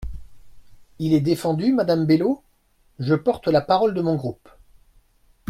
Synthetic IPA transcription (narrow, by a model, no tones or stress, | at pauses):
ilɛd̪efɑ̃d̪ymad̪ambelo | ʒəpɔʁt̪lapaʁɔld̪əmɔ̃ɡʁup